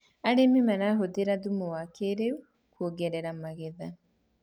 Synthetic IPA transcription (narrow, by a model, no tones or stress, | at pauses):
aɾememɛɾaɦodeɾadumowakeɾeu | kuoɡɛɾɛɾamaɣeða